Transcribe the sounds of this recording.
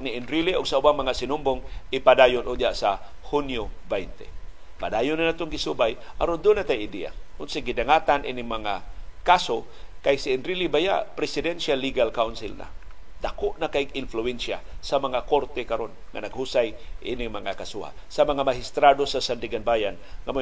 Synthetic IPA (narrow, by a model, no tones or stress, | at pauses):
nɪɪnɾiliʊɡsaubaŋmaŋasɪnʊmboŋɪpadajʊnʔodaʔsahunjobajnt̪ɛ̰padajʊnːanat̪oŋɡɪsubajʔaɾond̪ʊnːat̪ajɪdia̰ʊnsaɡɪdaŋat̪anʔinɪŋmaŋa̰kaso | kajsɪːnɾilibaja̰pɾɛsɪd̪ɛnsaliɡalkawnsɪ̰lna̰ | d̪̥akoʔnakajɡɪnfluɛnsja̰samaŋakoɾt̪ɛkaɾon | ŋa̰naɡhusajʔinɪŋmaŋakasuha̰ʔsamaŋamaɦɪst̪ɾad̪osasand̪iɡanbajan | ŋam